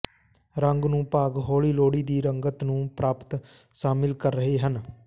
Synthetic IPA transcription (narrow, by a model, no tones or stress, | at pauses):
ɾəŋɡnũːpaːɡɦoːɭiːloːɽiːd̪iːɾəŋɡət̪nũːpɾaːpt̪ | ʃaːmɪlkəɾːəɦeːɦən